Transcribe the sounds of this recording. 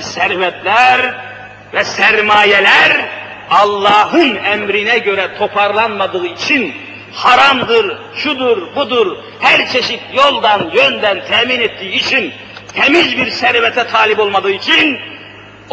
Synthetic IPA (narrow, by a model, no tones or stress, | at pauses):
sæɾvɛt̪ʰlʲæɾ | vɛsæɾmaːjɛlæɾ | ɑlˠːɑːɦɯnɛmɾinɛɟø̞ɾɛt̪ʰo̞pʰɑɾlˠɑnmad̪ɯɯit͡ʃʰin | hɑɾamd̪ɯɾ | ʃud̪uɾbud̪uɾ | hæɾt͡ʃʰeʃit̪ʰjo̞lˠd̪ɑnjønd̪ænt̪ʰɛːminet̪ʰːijːt͡ʃʰin | h̪ɛmizbiɾsæɾvɛt̪ʰɛt̪ʰaːlʲipo̞lˠmad̪ɯːit͡ʃʰin